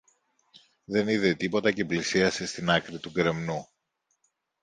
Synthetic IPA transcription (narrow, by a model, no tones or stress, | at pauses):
ðe̞niðet̪ipo̞t̪ɐce̞plisiɐse̞st̪inɐkɾit̪uɡɾe̞mnu